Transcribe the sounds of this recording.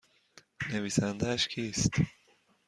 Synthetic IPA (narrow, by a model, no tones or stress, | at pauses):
nevisænd̪æʃkʰist̪